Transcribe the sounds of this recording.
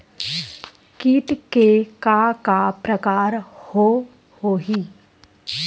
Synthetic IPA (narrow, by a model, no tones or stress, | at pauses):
kiːʈ̪kekakapɾəkaːɾho | hoːɦiː